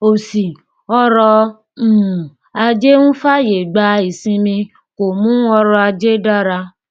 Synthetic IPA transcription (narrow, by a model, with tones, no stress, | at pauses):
o˨si˨ | ɔ˦ɾɔ˧˦˨ | a˧d͡ʒe˦nũ˦fa˦je˨ɡ͡ba˧i˨sĩ˧mĩ˧ | ko˨mũ˦ɔ˦ɾɔ˧a˧d͡ʒe˦da˦ɾa˧